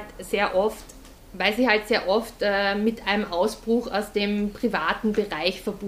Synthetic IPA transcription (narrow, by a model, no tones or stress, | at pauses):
tseːɐʔɔft | vaɪlsɪçhaltseːɐʔɔftɛːmɪtʔaɪnəmʔaʊsb̥ʁʊxa̰ʊsd̥eːmpʁ̥ivaːtn̩bəʁaɪçfɛɐb̥ʊ